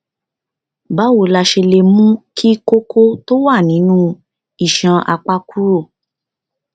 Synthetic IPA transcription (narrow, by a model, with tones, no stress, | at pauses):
ba˨˦wo˨la˧ʃe˧le˧mũ˦kʰi˦ko˦kʰo˦to˦wa˦˨nĩ˨˦nũ˦ | i˨ʃã˧a̰˧k͡pa˦ku˦ɾo˦˨